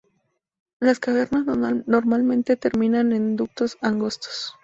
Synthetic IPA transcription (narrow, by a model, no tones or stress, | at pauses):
laskaβe̞ɾnazno̞ɾmalmẽ̞nt̪e̞t̪e̞ɾmĩnanend̪uk̚t̪o̞saŋɡo̞st̪o̥s